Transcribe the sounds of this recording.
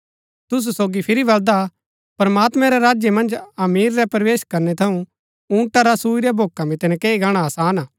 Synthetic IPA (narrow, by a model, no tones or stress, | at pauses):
t̪ʊs̬usoːɡipʰɪɾibɐld̪a | pɾɐmaːt̪mɛ̃ɾɛɾaːd͡ʒjemɐ̃nd͡ʒɐmiːɾːɛpɾɐʋeːʃkɐɾnɛt̪ʰɐũ | ũːʈaɾasuːiɾɛbʱoːkamit̪ɛnɛkeːiɡaːɽ̃aɐsaːnaː